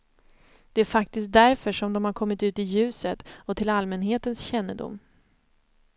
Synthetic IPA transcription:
d̪̥ɛæɾfak̚t̪ɪst̪̚d̪æɾfœʂɔmd̪ɔmhaɾkʰɔmːɪt̪ʉ̟ːt̪ɪjʉ̟ːsət̪ɔt̪ʰɪlalmɛnɦeːt̪ənsɕɛnːəd̪ʊ̰mː

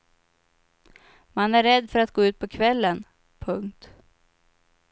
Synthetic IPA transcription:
manæɾːɛd̪ːfœɾat̪ɡoːʉ̟ːt̪̚pʰɔkʰvɛlːən | pʰɵŋkt̪

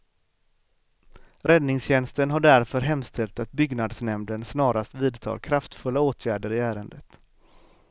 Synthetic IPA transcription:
ɾɛd̪nɪŋsɕɛnst̪ənɦaɖæɾfœɾɦɛmst̪ʰɛlt̪at̪̚bʏɡnad̪snɛmd̪ənsnɑːɾast̪viːd̪t̪ʰɑ̰ːɾkʰɾaft̪fɵlːaoːt̪ʰjæːɖəɾɪæːɾənd̪ət̪

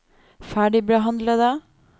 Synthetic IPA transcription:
fæːɖɪbiɦɑnd̪ləd̪ə

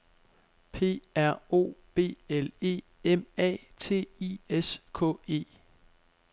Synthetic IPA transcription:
pʰe̝̰ːæɐ̰o̝̰ːb̥e̝̰ːele̝̰ː | emɛ̰ːt͡sʰe̝̰ːieskʰɔ̰ːe̝̰ː

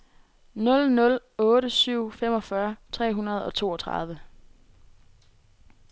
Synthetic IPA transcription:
nɔ̽lnɔ̽lɔ̽ːɾəsyʊ̰fem̰ɒ̽fɶɐt͡sʰʁɛ̰ːɦunɐð̞̩ˠɒ̽t͡sʰo̝̰ːɒ̽t͡sʰʁɑ̈ð̞ˠʋə

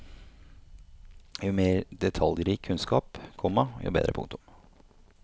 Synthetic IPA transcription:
jʊmeːɾd̪ɛt̪ʰɑljɾiːkʰːʉnskɑːpkʰɔmːɑjʊ̰ːbḛːd̪ɾəpʰʊ̰ŋt̪ʊm

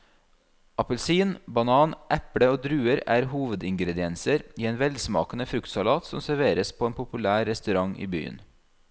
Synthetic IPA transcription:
ʔɑpəlsiːnbɑnɑːnʔɛpɽəoːd̪ɾʉːəɾæ̰ːɾhuːʋəd̪ɪŋɡɾɛd̪ɪɛnsəɾiːeːnʋɛld̪smɑ̰ːkən̩əfɾʉkt̪sɑlɑːt̪sɔ̰msæɾʋeːɾəspʰoːeːnpʰʊpʉlæːɾɛst̪ʉɾɑŋḭːby̰ːə̰n

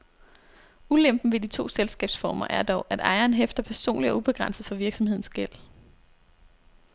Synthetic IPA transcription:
ulem̰b̥n̩ʋe̝dit͡sʰo̝̰ːselsɡ̥ɛ̰ːb̥sfɒːmɐ̰ʔæɐd̥ɒʊʔæd̥ɑ̈ɪɐːnɦefd̥ɐpʰæɐso̝̰ːnliɒ̽ub̥e̝ɡ̥ʁän̰sð̩ˠfɒ̽ʋiɐɡ̥sɒ̽mhe̝ðˠn̩sɡ̥el̰

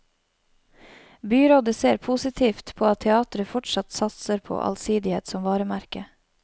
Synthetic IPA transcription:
byːɾoːd̪əseːɾpʰuːsɪt̪ʰiːft̪pʰoːɑt̪ʰːɛɑːt̪ɾəfɔʈʃɑt̪sɑt̪səɾpʰo̰ːʔɑ̰lsiːd̪ɪhḛːt̪sɔmʋɑːɾəmæɾkə

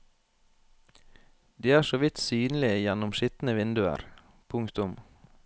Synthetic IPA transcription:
d̪iːæːʃoːʋɪt̪syːnl̩ɪəjɛnʊmʃɪt̪n̩əʋɪnd̪ʉə̰ɾ | pʰʊŋkt̪ʊm

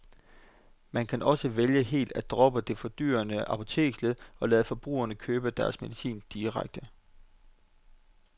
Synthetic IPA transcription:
mænkʰænʔɒ̽səʋeljəɦe̝̰ːld̥æd̥ʁɒ̽b̥əd̥e̝fɒ̽d̥y̰ːɐnəʔɑ̈pʰo̝t͡sʰe̝̰ːɡ̥sleðˠɒ̽læːð̩ˠəfɒ̽b̥ʁṵːɐnəkʰøːb̥əd̥æɐsme̝ðˠisḭːnd̥iʁaɡ̥̚d̥ə

